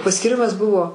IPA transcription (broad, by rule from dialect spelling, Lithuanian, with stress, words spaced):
pɐsʲkʲiːˈrʲɪmɐs ˈbʊʋoː